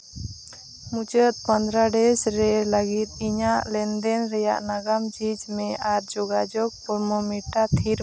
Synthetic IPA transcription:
mut͡ʃət̪̚pənd̪ɾaɖɛsɾɛləɡit̪̚iɲaʔlɛnd̪ɛnɾɛja̰ʔnaɡamd͡ʒid͡ʒmɛʔaɾd͡ʒɔɡad͡ʒɔk̚pɔɾmɔmiʈat̪ʰiɾ

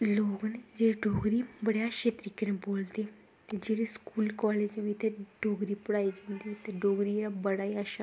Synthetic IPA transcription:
loːɡned͡ʒeːeɖʱoːɡɾibəɽjaʃet̪ɾikːɪñẽboːlt̪e | t̪ed͡ʒeːɾeskuːlkɔːleːd͡ʒʋit̪ʰeɖʱoːɡɾipʊɽaːid͡ʒẽnd̪it̪eɖoːɡɾieɾabəɽaːiaʃa

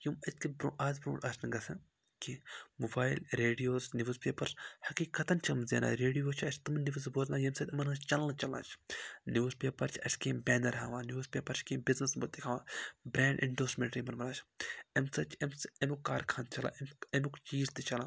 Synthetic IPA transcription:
jumɐt̪ʰkibɾo̰ːʔaːzbɾṵːɖɐsʰniɡɐsɨ̰ | kimubaːjlɾeːɖijoːznʲiʋuzpeːpɐɾshɐkiːkɐt̪ɐnʲt͡ʃʰɐmzeːna̰ːɾeːɖijoːt͡ʃʰɐt͡ʃʰʲt̪umniʋɐzboznaːjɐmsɐt̪ʲɐmɐnɨt͡ʃʰt͡ʃɐlːɐt͡ʃɐla̰ːt͡ʃʰniuːzpeːpɐɾt͡ʃʰɐ̰sʲkeːmbʲɛːnɐɾɦaːʋaːnjuːzpʲeːpɐɾt͡ʃʰkeːmbiznɐsbo̰t̪t̪ːikʰaːʋaːbɾeːɳɖʔḭɳɖoːsmʲeɳʈɾimɐnmɐnaːt͡ʃʰemsɐt͡ʃʰɐmsɐmukːaːɾkʰaːnt͡ʃʰɐla̰ːmɐmukt͡ʃiːzt̪ɨt͡ʃɐlãː

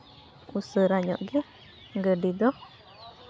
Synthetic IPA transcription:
usəɾaɲɔ̰ʔɡi | ɡədidɔh

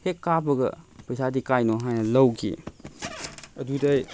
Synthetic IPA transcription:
hekːabɐɡɐ̰pəjsadikajnoɦajnɐlɐwɡḭ | ɐdudɐj

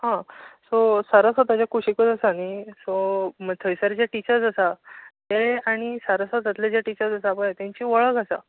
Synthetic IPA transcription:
ɦãsɔsaɾasɔt̪at͡ɕjakuɕikət͡səsanisɔmt̪ʰəjsəɾd͡ʑjaʈit͡ɕəd͡zasat̪eaɽ̃isaɾasɔt̪at̪lad͡ʑjaʈit͡ɕəɾd͡zəsabəjat̪jãɲt͡ɕiːʋəɭəkasa̰

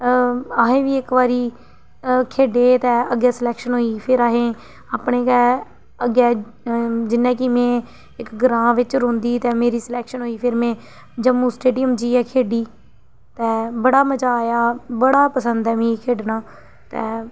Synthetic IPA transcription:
aːɦẽːʋiːɪkʋaːɾiː | kʰeːɖeːt̪ɛːəɡɛːsəlɛːkʃənɦoːiːpʰɪɾaːɦẽː | aːpɳeːkɛː | əɡɛː | d͡ʒɪnɛ̃ːkɪmɛ̃ː | ɪkɡəɾãːʋɪt͡ʃɾõːnd̪iːt̪ɛ̃ːmeːɾiːslɛːkʃənɦoːiːpʰɪɾmɛ̃ː | d͡ʒəmũːsʈeːɖijəmd͡ʒiːɛːkʰeːɖiː | t̪ɛːbəɽaːmət͡ʃaːjaːbəɽaːpəsənd̪ɛːʋĩːkʰeːɖnaː | t̪ɛː

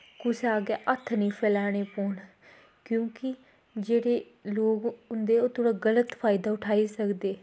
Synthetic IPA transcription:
kʊsaːɡɛːʔət̪ʰːnĩːpʰɛːlaːɽ̃eːpoːɳ | kjõːkɪ | d͡ʒeːɽeː | loːɡʊnd̪eːoːt̪ʰoːɽaːɡələt̪pʰaːɪd̪aːʊʈʰaːiːsəkd̪eː

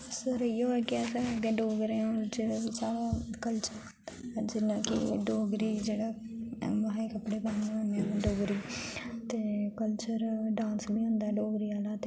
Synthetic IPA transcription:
səɾjoɛːkiɛːsaɡẽɖoːɡɾẽd͡ʒeat͡ʃaːɽakəlt͡ʃəɾ | d͡ʒɪnakḭɖoːɡɾiːd͡ʒeːɽa | maɦikəpɽebəneʊneɖoːɡɾiːt̪ekəlt͡ʃəɾɖãːnsbʱiːɦʊ̃nd̪aːɖoːɡɾiaːlaːt̪e

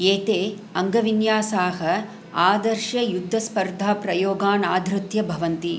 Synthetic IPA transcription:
eːt̪eː | ɐŋɡɐʋinjaːsaːɦɐ | aːd̪ɐɾʃɐjud̪ʱːɐspɐɾd̪ʱaːpɾɐjoːɡaːnaːd̪ʱɾɨt̪jɐbʱɐʋɐnt̪i

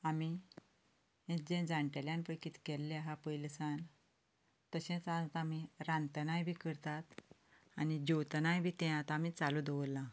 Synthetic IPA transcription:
ami | ẽd͡ʑẽd͡zaɳʈeljanpəjkiːt̪kɛlːeɦapəjlsan | t̪əɕɛ̃t͡sat̪amiɾãnt̪ənajbʱikəɾt̪at̪ | anid͡ʑowt̪najbʱiːt̪ɛ̃jãt̪amit͡salud̪əʋəlːã

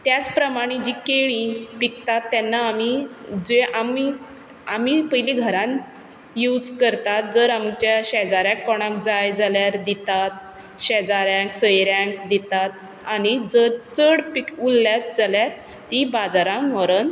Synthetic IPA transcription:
t̪jat͡spɾəmaɽ̃id͡ʑiːkeɭ̃ipikt̪at̪ːjɛnːaːmid͡zeʔami | amipəɦiliɡʱəɾãn | jud͡zkəɾt̪at̪̚d͡zəɾamt͡ɕjaɕɛd͡zaɾjãkːɔɽ̃ãkd͡zajd͡zaljaɾd̪it̪at̪̚ | ɕɛd͡zaɾjãksəjɾjãŋkd̪it̪at̪̚ | anid͡zəɾt͡səɽpikulːjat̪̚d͡zaljaɾ | t̪ibad͡zaɾãmɔɾən

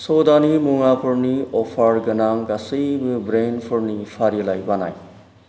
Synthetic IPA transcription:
sod̪animuŋapʰuɾniɔpʰaɾɡɐnaŋɡasəjbɾenpʰuɾnipʰaɾijɐlajbana̰j

